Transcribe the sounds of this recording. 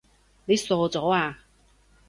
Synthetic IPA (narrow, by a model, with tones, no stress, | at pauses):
ne˨˧sɔː˧t͡sɔː˨˥˦aː˧